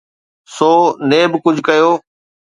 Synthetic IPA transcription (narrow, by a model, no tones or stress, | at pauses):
soːneːbɪkʊd͡ʑʱkɐjoː